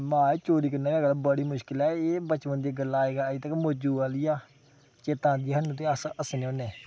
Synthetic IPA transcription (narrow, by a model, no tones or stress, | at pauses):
mãːeːt͡ʃoːɾiːkənaːaːɡlabəɽiːmʊʃkɪlɛːeːbət͡ʃʋənd̪iːɡəlːaːeːɡaːit̪əkmod͡ʒuːaːliːaː | t͡ʃeːt̪ãːd̪iːaɦənːũːt̪eːəsəsneõːneː